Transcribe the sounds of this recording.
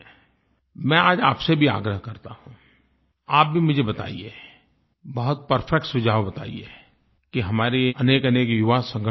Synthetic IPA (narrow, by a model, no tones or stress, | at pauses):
mɛ̃aːd͡ʒa̰ːpsebʱia̰ːɡɾəɦkɐɾt̪ahũ | aːp̚bʱimʊd͡ʒʱebɐt̪a̰ːḭeː | bɐɦʊt̪̚pɐɾfʰɛk̚ʈsʊd͡ʒʱaːʋbɐt̪a̰ːḭḛː | kiɦɐmaːɾeɐneːkɐneːkjʊʋasɐ̃ŋɡə